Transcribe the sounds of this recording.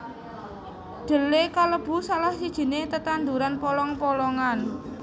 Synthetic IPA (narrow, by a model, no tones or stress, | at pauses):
ɖ̪̥ə̤lekaləb̥ṳsalahsid̥ʒ̥i̤net̪ət̪and̪uɾanpɔlɔŋpɔlɔŋan